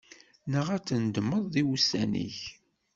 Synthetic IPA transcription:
nəʁæt͡sːənd̪əmːəðˤðiwusænḭç

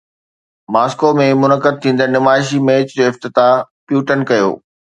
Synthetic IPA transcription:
maːskomẽmʊnəkəd̪̚t̪ʰĩːnd̪ənɪmaːɪʃ̬imeːt͡ɕd͡ʑoːɪft̪ɪt̪apjuːʈənkɐjo̰ː

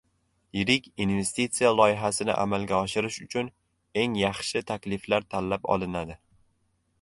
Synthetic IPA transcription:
jɪɾɪkʲinve̞st̪it̪sijalˠɒɪɦasɪnɪ̰ʔa̰malɡʲaɒʃɪɾɪʃʊt͡ʃʰʊn | e̞ŋjɑχʃɪt̪ʰakʲlɪflaɾt̪ʰalːapɒ̰lˠɪnad̪ɪ

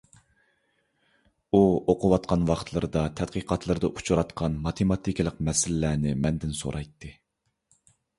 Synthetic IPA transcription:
uoqʰʊwɑt̪̚qʰɑnwɑχt̪ʰlˠɨɾɨd̪ɑt̪ʰɛd̪qʰəqʰɑt̪ʰlˠɨɾɨd̪ɑʔut͡ʃʰuɾɑt̪qʰɑnmɑt̪ʰemɑt̪ʰikʲlˠəqmɛsɪlɪlænɪmɛnd̪ɪnso̰ɾʔɑjt̪ʰːɨ

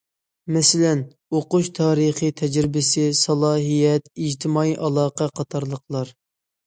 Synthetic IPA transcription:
mɛsɪlɛn | oqʊʃt̪ʰɑːɾəχit̪ʰɛd͡ʒɾɪbɪsɪsɑlˠɑːɦijɛt̪id͡ʒt̪ʰɪmɑiʔɑlˠɑːqɛqʰɑt̪ʰɑɾlˠəqlˠɑɾ

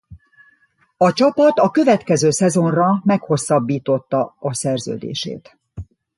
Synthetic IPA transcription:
ɒt͡ʃɒpɒt̪ɒkø̞vɛt̪kɛzøːsɛzo̞nrɒmɛkho̞sːɒbːiːt̪o̞t̪ːɒɒsɛrzø̰ːd̪ḛːʃḛːt̪

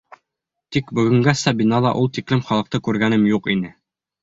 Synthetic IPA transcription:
t̪ikbɵ̆ɡɵ̆ŋɡæsɑbinɑlˠɑʔulˠt̪iklɘmχɒlˠɤ̆q̚t̪ɤkʉɾɡænɘmjuqinɘ

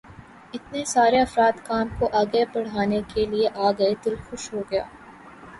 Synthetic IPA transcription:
ɪt̪nesaːɾeɐfɾaːd̪kaːmkoʔaːɡebɐɽ̤aːnekelieʔaːɡɐed̪ɪlxʊʃɦoɡɐja̰ː

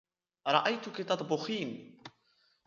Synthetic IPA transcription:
ɾˤɑʔajt̪ʊkit̪ɑt̪ˤbʊxiːn

